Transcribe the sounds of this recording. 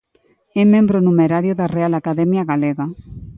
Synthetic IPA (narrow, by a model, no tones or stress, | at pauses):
ɛmẽmbɾonumeɾaɾjoðarealakaðɛmjaɣaleɣa